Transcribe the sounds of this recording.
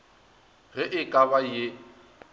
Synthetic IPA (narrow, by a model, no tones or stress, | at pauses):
ɣɪʔɪkʼaβaje